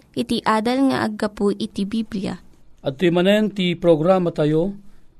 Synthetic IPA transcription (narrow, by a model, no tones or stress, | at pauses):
ʔɪt̪iʔaːd̪ɐlŋɐ̰ʔɐ̰ɡɐpuʔɪt̪ibiblija̰ʔɐd̪t̪ːojmɐnɛnt̪ipɾoɡɾamat̪ajo